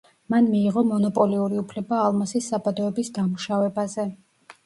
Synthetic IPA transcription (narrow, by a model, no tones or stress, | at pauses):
manmiːʁɔmɔnɔpʼɔliuɾiupʰlɛbaːlˠmasisːabad̪ɔɛbisd̪amuʃavɛbazɛ